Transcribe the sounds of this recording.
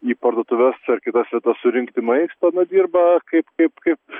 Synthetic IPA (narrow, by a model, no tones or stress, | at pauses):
iːpɐɾd̪oːt̪ʊʋʲɛsɐrkʲɪt̪ɐsʋʲɛt̪ɐssʊɾʲɪŋkt̪ʲɪmɐɪst̪ɐnɐd̪ʲiːrbɐkɐɪpkɐɪpkɐɪp̚